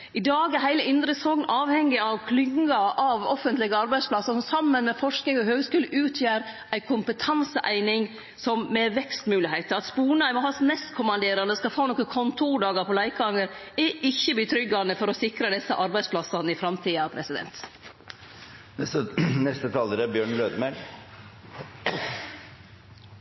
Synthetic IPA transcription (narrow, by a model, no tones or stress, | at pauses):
ɪd̪ɑːɡɛɾɦæɪləɪnd̪ɾəsɔŋnɑːʋhɛŋːɪɑʋkʰlʏŋɡɑɑʋɔfənt̪lɪɡəɑɾbæɪspʰlɑsəʂɔmsɑmːənmɛfɔʂknɪŋɔhøːɡskʉːləʔʉːt̪ʰjæːɾʔæɪkʰʊmpət̪ʰɑnsəʔæɪnɪŋ | sɔmmɛʋɛkst̪mʉːlɪhæɪt̪əɾɑt̪spuːnɑɪmɔhɑsnɛst̪kʰʊmɑnd̪eːɾɑnəskɑlfhoːnoːkəkʰɔnt̪ʰuːɖɑːɡəpʰɔlæɪkɑŋːəɾɛʔɪçːəb̪it̪ʰɾʏɡːɑnəfɔɾɔsɪkɾəd̪ɛsːəʔɑɾbæɪspʰlɑsɑnəɪfɾɑmt̪ʰiːɑʋpʰɾɛsɪd̪ɛ̰nt̪ | ɛənɛst̪ət̪ʰɑːləɾəbjøːɳløːd̪əmæl